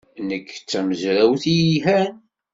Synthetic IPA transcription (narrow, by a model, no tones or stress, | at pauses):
nəkːt͡sːæməzɾæwθijiɦæn